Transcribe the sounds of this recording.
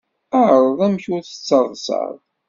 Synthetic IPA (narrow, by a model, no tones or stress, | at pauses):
aʕɾˤðˤæmçʊɾθə̥t͡sːəɾˤðˤsɑ̰ɾˤ